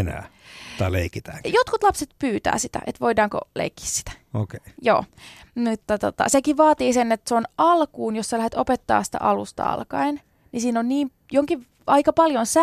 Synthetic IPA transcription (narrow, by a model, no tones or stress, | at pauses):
næ̰ːt̪ːɑlḛikit̪æːŋjot̪kut̪lɑpset̪pyːt̪æ̰ːsit̪æ̰ʔet̪ʋoidɑːŋko̰lḛikːi̥ssi̥t̪æ̥ | okeijo̰ːmut̪ːɑt̪ot̪ɑ̰sekiʋʋɑːt̪iːsenːet̪seonɑlkuːnjossɑlæhet̪opet̪ːɑ̰ːssi̥t̪æ̰ʔɑlust̪ɑ̰ɑ̰lkɑin | nisiːnonniːm | joŋkiʋ | ɑikɑpɑljonsæ